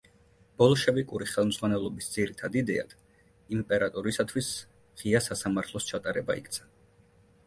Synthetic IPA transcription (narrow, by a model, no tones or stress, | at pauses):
b̥ɔlˠɔʃɛvikʼuɾiχɛlˠmdzʁwanɛlˠɔbisd̪ziɾit̪ʰad̪id̪ɛa̰d̪̥ | impʼɛɾat̪ʼɔɾisat̪ʰwis | ʁ̥iasasamaɾt̪ʰlˠɔst͡ʃʰat̪ʼaɾɛba̰ḭkt̪sʰḁ